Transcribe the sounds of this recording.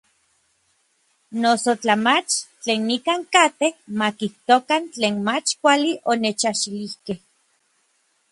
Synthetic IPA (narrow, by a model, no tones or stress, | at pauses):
nosot͡ɬamat͡ʃt͡ɬeːnːikaŋkat̪ehmakiht̪okant͡ɬeːnmat͡ʃkʷaliʔonet͡ʃaʃilihkeh